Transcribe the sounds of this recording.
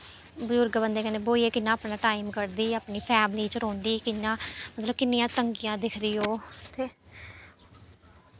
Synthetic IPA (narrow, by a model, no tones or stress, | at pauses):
bəd͡ʒʊɾɡbənd̪eːkəneːboːiːeːkɪnːãːpnaːʈaːɪmkəɾd̪iːəpɳiːpʰɛːmliːt͡ʃəɾoːnd̪iːkɪnːãːmət̪ləb̚kɪnːɪjãːt̪əŋɡijãːd̪ɪkʰd̪iːɦoːt̪ʰeː